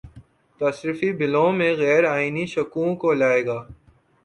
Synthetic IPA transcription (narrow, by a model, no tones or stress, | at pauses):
t̪asɾɪfibɪlõːmẽɣɛːɾaːiniʃɐkũkolaːeːɡaː